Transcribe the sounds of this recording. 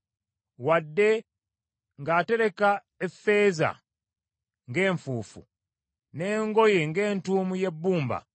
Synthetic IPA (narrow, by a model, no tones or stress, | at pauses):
wadːe̞ | ŋɡaːte̞ɾe̞ka | efːe̞ːza̰ | ŋɡe̞ːɱfuːfṵ | ne̞ːŋɡo̞je̞ŋɡe̞ːntuːmuje̞bːuːmba̰